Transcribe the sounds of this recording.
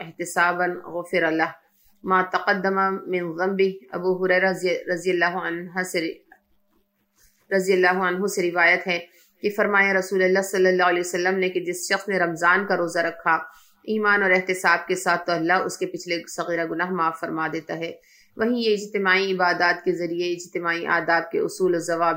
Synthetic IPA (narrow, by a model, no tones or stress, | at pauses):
ɪɦt̪ɪsaːbɐnɣʊfɪɾɐlɐɦ | maːt̪ɐqɐd̪ːɐmamɪ̃nɣɐmbɪɦɐ̰buɦʊɾɛːɾaɾɐzijəlːaːɦɐnɦae | ɾɐzijəlːaːɦoɐnɦoseɾɪʋaːjət̪ɦɛ̃ | kefɐɾmaːjaɾɐsuːlɐlːasɐlːəlːaɦɐlɛːsɐlːəmneked͡ʒɪsʃɐxsmẽɾɐmzaːnkaɾoːzaɾɐkʰːa | iːmaːnɔːɾɪɦt̪ɪsaːb̚kesaːt̪ʰːoɐlːaɦʊ̰skepɪt͡ʃʰlesɐɣiːɾaɡʊnaːɦmaːfːɐɾmaːd̪eːt̪aɦɛː | ʋɐɦĩjeɪd͡ʒt̪ɪmaːiɪbaːd̪aːt̪kezɐɾieɪd͡ʒt̪ɪmaːiʔa̰ːd̪aːb̚kḛʊ̰suːlɔzɐʋaːb